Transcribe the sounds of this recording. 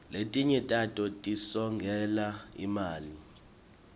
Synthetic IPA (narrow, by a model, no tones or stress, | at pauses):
letʼiɲɛtʼatʼɔtʼisɔŋɡʱɛlaḭmaːli